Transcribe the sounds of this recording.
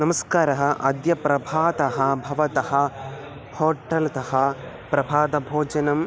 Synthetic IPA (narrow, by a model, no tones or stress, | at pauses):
nɐmɐskaːɾɐɦɐʔɐd̪jɐpɾɐbʱaːd̪ɐɦɐbʱɐʋɐt̪ɐɦɐ | hoːʈɐlɐt̪ɐhɐ | pɾɐbʱaːd̪ɐbʱoːd͡ʒɐnɐm